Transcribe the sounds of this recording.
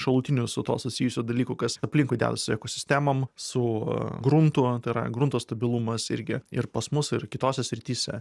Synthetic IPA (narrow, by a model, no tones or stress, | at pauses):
ʃɐlˠuːt̪ʲɪnʲʊsʊt̪o̰ːsʊsʲiːjʊsʲuːd̪ɐlʲiːkʊkɐsɐpʲlʲɪŋkʊɪd̪ʲæ̰ːd̪ɐsʊɛkoːsʲɪ̥sʲt̪ʲæːmɐmsʊɡɾunt̪ut̪ɐɪɾɐ̰ɡɾunt̪oːst̪ɐbʲɪlˠumɐsɪ̰ɾʲɡʲɪɪ̰rpɐsmʊsɪrkʲɪt̪oːsʲɛsʲɾʲɪt̪ʲiːsʲɛ̰